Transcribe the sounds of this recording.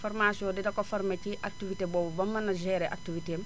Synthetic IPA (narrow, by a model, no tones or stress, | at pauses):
foɾmasiõdidɐkofɐɾmeciʔak̚tivitebɔːbubɐmːɐnɐʒɛɾɛʔa̰k̚tiviteːm